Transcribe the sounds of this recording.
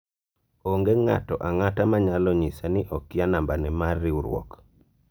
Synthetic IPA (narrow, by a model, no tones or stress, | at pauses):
oŋɡeŋa̰tɔʔaŋatamaɲalɔɲisaniʔɔkɪanambanɛmarːiuɾwɔ̰k